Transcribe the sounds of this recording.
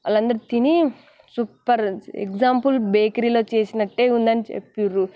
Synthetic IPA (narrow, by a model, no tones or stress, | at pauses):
ɐlɐnd̪ɐɾit̪ini | supːɐɾḛkd͡ʒaːmpulbeːkɾiːlo̞ːt͡ʃe̞ːsinɐʈːe̞ːund̪ɐnit͡ʃḛpːiɾu